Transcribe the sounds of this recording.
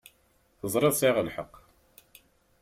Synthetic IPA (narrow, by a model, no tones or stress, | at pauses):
θəzˤɾeðˤsɪʁəlħə̰qː